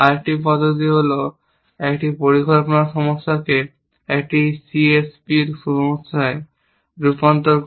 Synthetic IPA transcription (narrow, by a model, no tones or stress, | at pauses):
aɾʈipɔd̪ot̪̬iɦolo | ɛkʈipoɾiɡʱɔɾponaʃɔmoʃːake | ɛk̚ʈisiespiɾʃɔmoʃae | ɾupant̪oɾ